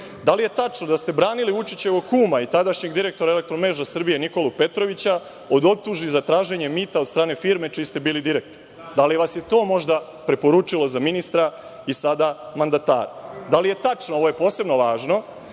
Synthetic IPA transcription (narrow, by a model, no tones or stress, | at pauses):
d̪alije̞t̪at͡ʂnod̪ast̪e̞bɾaːniliʋut͡ʂit͡ɕe̞ʋokuːmait̪ad̪aʃɲe̞ɡd̪iɾe̞k̚t̪o̞ɾaele̞k̚t̪ɾomeːʒasr̩bijeniko̞lupe̞t̪ɾo̞ʋit͡ɕa | o̞d̪o̞p̚t̪uʒbizat̪ɾaːʒe̞ɲe̞mit̪aod̪st̪ɾaːne̞fiːɾme̞t͡ʃijːst̪e̞biːlid̪iɾek̚t̪oɾ | d̪aliʋasje̞t̪o̞ːmo̞ʒd̪a | pɾe̞po̞ɾut͡ʂilo̞zaminist̪ɾa | isad̪amand̪at̪a̰ːɾad̪alije̞t̪at͡ʂnoo̞ʋoje̞po̞ːse̞bno̞ʋaːʒno̞